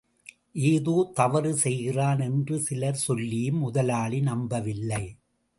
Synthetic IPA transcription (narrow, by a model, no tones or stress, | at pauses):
ʔeːðuːt̪ɐʋɐɾɯsɛjɣɪraːnɛndrɯsɪlɐɾsɔlːɪjɯmːʊðɐlaːɭinɐmbɐʋɪlːɐɪ